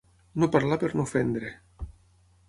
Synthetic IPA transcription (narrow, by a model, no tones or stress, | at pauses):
nopaɾlapeɾnofend̪ɾe